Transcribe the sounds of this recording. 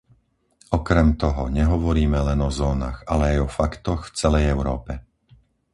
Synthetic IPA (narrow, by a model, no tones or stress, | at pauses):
ɔkɾɛmt̪ɔɦɔɲɛɦɔʋɔɾiːmɛlɛnɔzɔːna̰ɣalɛajɔfakt̪ɔxft͡sɛlɛjɛʊɾɔːpɛ